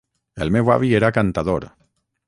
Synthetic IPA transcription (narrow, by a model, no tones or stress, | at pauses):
elmewa̰βieɾakant̪aðoɾ